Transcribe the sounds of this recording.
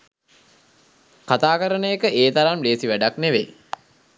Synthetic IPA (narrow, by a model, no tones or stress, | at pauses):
kat̪aːkəɾənəjəkəʔeːt̪aɾamleːsiʋæɖakneʋḛ